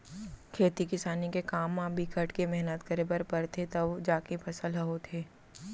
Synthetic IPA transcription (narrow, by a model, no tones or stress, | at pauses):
kʰeːt̪ikɪsaːnikekaːmːãbʱikʰəʈkemɛɦnət̪kɐɾebɐɾpɐɾt̪ʰet̪ɐʋd͡ʒaːkepʰɐsəlɦəɦot̪ʰeː